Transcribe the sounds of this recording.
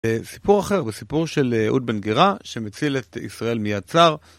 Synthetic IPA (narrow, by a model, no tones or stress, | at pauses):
esi̥puʁaχe̞ʁbesipuʁʃelʔṵd̪̚benɡeʁaʃemet͡silet̪ḭsʁae̞lmijad̚t͡saʁ